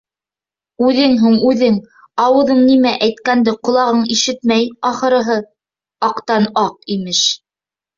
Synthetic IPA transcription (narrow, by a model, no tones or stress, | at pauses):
ʉðɘŋɦuɴʉðɘŋ | ɑwɤ̆ðɤɴnimæʔæjt̪kænd̪ɘqŏlˠɑʁɤɴiʃɘt̪mæjɑχɤ̆ɾɤ̆ɦɤ | ɑqt̪ɑnɑq̚imɘʃ